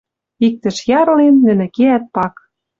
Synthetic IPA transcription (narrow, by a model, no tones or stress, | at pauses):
ik̚t̪ɘ̆ʃjɑɾ̆lenːɘ̆nɘ̆keæt̪̚pɑk